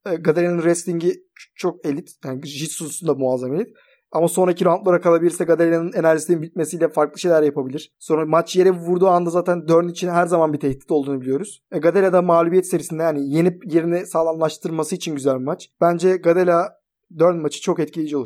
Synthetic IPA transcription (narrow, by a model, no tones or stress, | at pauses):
ɡad̪elʲanɯnɾɛst̪lʲiɲɟi | t͡ʃʰo̞k̚e̞lʲit̪jaːnʒit̪suzusund̪amuazame̞lʲit̪ | amaso̞nɾacʰiɾanlˠoɾakalˠabilʲiɾsɛɡad̪elʲanɯne̞næɾʒisininbit̪̚me̞sijlʲɛfaɾklˠɯʃe̞jlʲæɾjapʰabilʲiɾ̥so̞nɾamat͡ʃje̞ɾɛvuɾd̪uːand̪azaːt̪ʰænd̪øɾnit͡ʃʰinɦæɾzamanbit̪ʰɛçd̪i̥t̪olˠd̪uːnubilʲijo̞ɾuz̥ɛɡad̪elʲad̪amaːlʲubjɛt̪ise̞ɾisind̪ɛjaːnijenipje̞ɾinɛsaːlˠamlˠaʃt̪ʰɯɾˠmasɯit͡ʃʰinɟyzælʲbimat͡ʃb̥ænd͡ʒɛɡad̪elʲa | d̪øɾnmat͡ʃʰɯ̥t͡ʃʰo̞kɛt̪̚cʰilʲid͡ʒiou